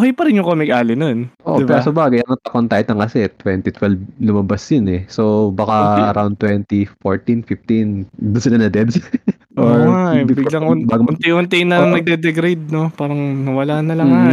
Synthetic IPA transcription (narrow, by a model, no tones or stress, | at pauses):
kɛjpɐɾɪnjʊŋkoːmɪkʔaːlɪnonʔo̰ʔoɪbɛɾɐsɐbaːɡɐjɐŋt̪ɐkont̪aːjɪt̪ɐŋkɐsɛt̪ːwɛnt̪it̪wɛlblʊmɐbasjɐnɛsobakaʔɐɾawnd̪t̪wɛnt̪ifoɹt̪infɪft̪inb̪ʊsɪnɐnɐd̪ɛd̪s | ʔoɹabblɐŋʔʊnbaːɡoʊnt̪ɪʔʊnt̪ɪjnɐnɐɡ̚d̪ɛd̪ɛɡɾed̪̚no̞paːɾɐŋnɐwɐlaːnɐlɐŋa